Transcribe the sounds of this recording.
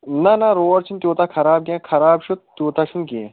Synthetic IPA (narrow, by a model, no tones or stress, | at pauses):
nɐnɐɾoːɾt͡ʃʰint̪ʲjoːt̪akʰɐɾaːb̚ɡʲẽːkʰɐɾaːbʃut̪̚t̪ːjoːt̪aʃʰunkẽ